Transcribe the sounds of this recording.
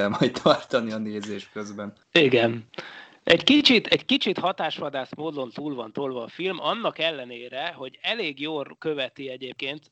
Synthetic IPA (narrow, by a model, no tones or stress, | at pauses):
ɛlmɒjtt̪ʰɒrt̪ɒniɒneːzeːʃt̪køzbɛn | iɡɛn | ɛɟkit͡ʃit̪ʰɛɟkit͡ʃit̪hɒt̪aːʃʋɒd̪aːsmoːd̪o̞nt̪uːlvɒnt̪oːlvɒːfilmɒnːɒkɛlːɛneːɾɛɦo̞ɟɛleːɡjoːlkøvɛt̪iɛɟeːp̚keːnt̪